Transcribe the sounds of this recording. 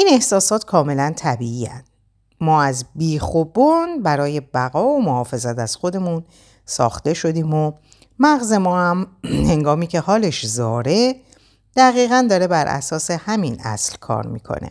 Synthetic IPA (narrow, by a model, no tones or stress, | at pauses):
ʔiːne̞hsɒːsɒːt̪kʰɒːme̞lænt̪ʰæbiːiːæ̰nd̪̥ | mɒːæzbiːxobonbæɾɒːje̞bæɣɒːomohɒːfe̞zæt̪ʰæz̥xo̞d̪e̞muːn | sɒ̰ːxt̪e̞ʃo̞d̪iːmo | mæɣze̞mɒːhæmhe̞ŋɡɒːmiːcʰe̞hɒːle̞ʃzɒːɾe̞ | d̪̥æɣiːɣænd̪ɒːɾe̞bæɾʔæ̰sɒːse̞hæminʔæ̰slkʰɒ̰ːɾmḭːkʰo̰nḛ